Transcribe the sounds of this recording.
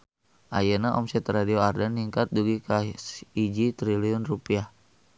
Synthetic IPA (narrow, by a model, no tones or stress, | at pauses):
ʔajɛnaʔɔ̰msɛt̪radioardanːiŋkat̪̚duɡikaid͡ʒit̪ɾiliɔnrupiah